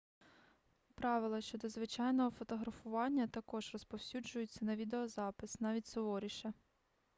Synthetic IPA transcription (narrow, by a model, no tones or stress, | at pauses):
pɾɑʋɪlˠɐʃt͡ʃɔd̪ɔzʋɪt͡ʃɑjnɔɦɔfɔt̪ɔɦɾɐfʊʋɑnʲːɐt̪ɐkɔʒrɔspɔwsʲud͡ʒʊjʊt͡sʲːɐnɐʋʲid̪eɔzɑpɪsnɑʋʲitʲsɔʋɔɾʲiʃɐ